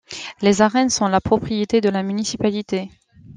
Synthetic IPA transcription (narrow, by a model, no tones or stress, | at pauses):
lezaʁɛnsɔ̃lapχɔpχijet̪ed̪əlamynisipalit̪e